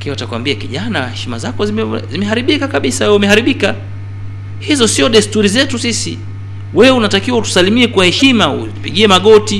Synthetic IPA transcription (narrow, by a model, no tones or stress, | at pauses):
lakinwatakuwa̰mbiakiʄanahɛʃima̰zakɔzimzimɛɦaɾiɓikakaɓisawɛumɛhaɾiɓika | hizɔsiɔɗɛstuɾizɛtusisḭ | wɛunatakiwautu̥salimiɛkwahɛʃimaṵ | upiɠiɛmaɠɔti